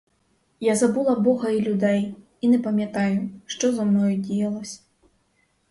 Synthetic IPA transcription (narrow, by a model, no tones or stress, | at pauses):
jazabulˠɐbɔɣɐilʲud̪ɛj | inɛpɐmʲjat̪ajuʂt̪ɔzɐmnɔjd͡zʲɛjɐlˠɐsʲɐ̥